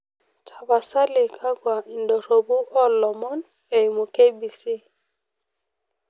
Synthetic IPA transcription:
tʰa˨ba˨sa˦lɪ˨kʰa˦ɡwa˨i˨ndɔ˨ɾo˨bu˦ʔɔ˦lɔ˨mɔ˦n | e˨mo˨ke˦bi˨si˦

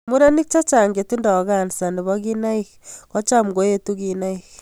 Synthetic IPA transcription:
mu˦ɾa˦ni˦k̚t͡ʃa˦t͡ʃa˨ŋɡe˨tu˦nda˨ɣa˨ni˨sa˨nde˨βɔ˦ɣi˦na˦i˦xkɔ˦t͡ʃa˦m˨ɡo˨˦je˦tu˦ɣina˦ix

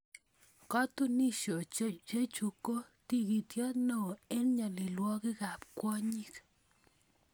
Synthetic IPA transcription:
kɔ˦tu˦ni˦ʃo˨t͡ʃe˦t͡ʃe˦t͡ʃu˨ko˦ti˦ki˨tjɔ˦tno˦˨e˦nɲa˨li˨lwɔ˦kɪ˦ka˨p̚kwɔ˦ɲi˦k

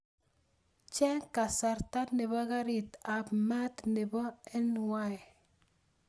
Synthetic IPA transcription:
t͡ʃɛ˦ŋka˨sa˨ɾta˦nɪ˨βɔ˦ɡa˦ɾi˨t̪a˨pma˦t̪nɪ˨bɔ˦ɛ˦nwa˦j

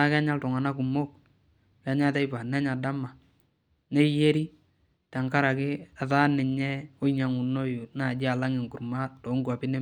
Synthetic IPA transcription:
a˦kɛ˦ɲa˦ltɔ˨ŋa˨na˦k̬u˨mo˦k̚ | kɛ˨˦ɲa˦tɛ˦jpa˨nɛ˦ɲa˨da˦ma˨ | ne˦je˦ɾi˦ | ta˨ŋka˦ɾa˨kɪ˦a˨ta˦nɛ˨ɲɛ˦ɔ˦i˦ɲa˨ŋu˨no˦ju˨na˨d͡ʒɪ˦a˨la˦ŋɪ˨ŋku˨ɾma˦tɔ˨˦ŋɡua˨pɪ˦nɛ˦

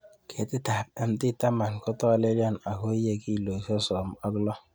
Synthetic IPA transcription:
kʰe˨tɪ˦ta˨p̚ɛ˦m˦ti˦ta˦ma˨nkʊ˦tɔ˦le˦lja˦˨na˨ɦo˦i˦je˦˨ki˦˨lo˨sɔ˦sɔ˨m˨˦ɔ˦ɡlɔ˦

